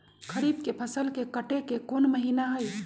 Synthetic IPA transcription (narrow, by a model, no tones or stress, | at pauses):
kʰəɾiːb̚kepʰəsəlkekəʈekekoːnməɦiːnaɦəj